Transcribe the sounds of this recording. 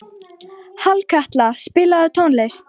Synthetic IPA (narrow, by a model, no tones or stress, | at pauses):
halkʰaht̪laspɪlaðʏt̪ʰownlejst̪